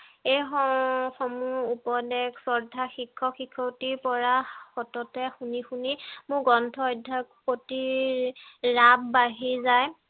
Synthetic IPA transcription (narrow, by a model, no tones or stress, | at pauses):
ejɔxɔmuupɔdɛɡsɔɹdʱaxikʰːɔxikʰːɔtipɔɹaxɔtɔtɛxunixunimʊɡɔntʰɔɔjdʱːak̚poti | ɹabbaɦizaj